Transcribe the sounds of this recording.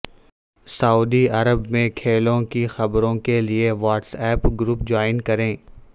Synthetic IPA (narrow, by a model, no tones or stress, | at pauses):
sɐuːd̪iɐɾəbmẽkʰeːlõkixɐbɾõkelieʋaːʈsɛːpɡɾuːpd͡ʒaːɪnkɐɾẽː